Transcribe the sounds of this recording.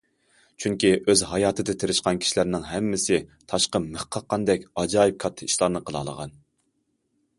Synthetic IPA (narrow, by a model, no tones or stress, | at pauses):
t͡ʃʰyŋkʲiʔøzɦɑjɑːt̪ʰɨd̪ɪt̪ʰeɾɪʃqɑnkʲʰi̥ʃilæɾnɪŋɦɛmːɪsɪt̪ʰɑʃqəməχqʰɑqʰːɑnd̪ɛkʲɑd͡ʒɑːjip̚kʰɑt̪ʰːɨiʃlˠɑɾnɨqʰəlˠɑ̰lˠə̰ʁɑ̰n